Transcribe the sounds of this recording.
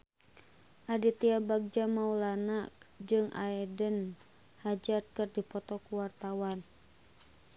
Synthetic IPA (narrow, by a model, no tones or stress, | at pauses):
ʔadit̪iabaɡ̚d͡ʒamaulanakd͡ʒɨŋʔa̰ɛdən | had͡ʒat̪̚kərdipɔt̪ɔkuwart̪awan